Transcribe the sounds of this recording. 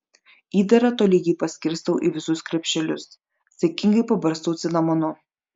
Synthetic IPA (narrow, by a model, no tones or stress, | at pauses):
iːd̪ɐɾɐt̪oːlʲɪjiːpɐsʲkʲɪɾst̪ɐʊʔiʋʲɪsʊskɾʲɛpʲʃʲt͡ʃʲɛlʲʊs | sʲɛkʲɪŋɡɐɪpɐbɐɾst̪oːt̪sʲɪnɐmɐnʊ